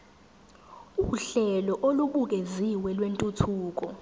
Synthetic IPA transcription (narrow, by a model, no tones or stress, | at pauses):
uɬɛlɔʔoluɓuk̬eziwɛlwentʼutʰuːk̬ɔ